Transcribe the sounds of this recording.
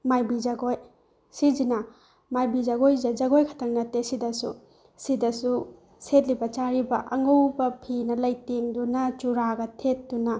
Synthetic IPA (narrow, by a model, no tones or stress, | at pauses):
majbid͡ʒɐɡoj | sid͡ʒinɐ | majbid͡ʒaɡojzɐd͡ʒɐɡojkʰɐ̥tʰɐŋnɐtːesidɐsṵ | sidɐsu | set̚libɐt͡ʃaɾibɐʔɐŋowbɐpʰinɐlɐjteŋdunɐt͡ʃuɾaɡɐtʰet̚dunɐ